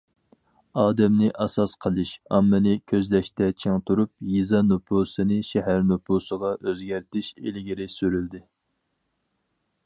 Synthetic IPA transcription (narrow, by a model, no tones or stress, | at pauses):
ɑːd̪ɛmnɪʔɑsɑsqʰəlˠɨʃɑmːɨnɨkʲʰøzlɛʃt̪ɛt͡ʃʰeŋt̪ʰuɾup̚jizɑnupʰusɨnɨʃɛɦæɾnupʰusəʁɑʔøzɡʲæɾt̪ʰɪʃḛlɪɡʲiɾɪsyɾyld̪ɪ